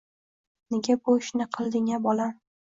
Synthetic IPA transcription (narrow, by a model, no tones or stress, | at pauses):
neɡʲabʊɪʃnɪqʰɨlˠd̪ɪŋabɒla